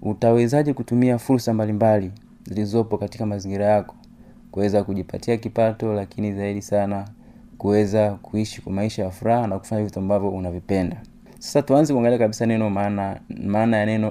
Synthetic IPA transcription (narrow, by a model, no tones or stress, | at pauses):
utawɛzaʄɛkutumiafuɾsambalimbali | zilizɔpɔkatikamaziŋɡiɾajakɔ̥ | kuwɛzakuʄipa̰tiakipatɔlakinizaiɗisana | kuwɛzakuiʃi̥kmaiʃajafuɾahanaku̥faɲavituambavjɔunavipɛnda | sḁsatuanzɛkuaŋɡaliakaɓisanɛnɔnamaːnajanɛnɔ